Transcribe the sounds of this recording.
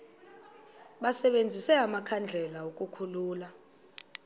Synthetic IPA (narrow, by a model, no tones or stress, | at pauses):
ɓasɛɓend͡zʱisɛamakʰand͡ɮʱɛlaok̬ʼukʰuluːla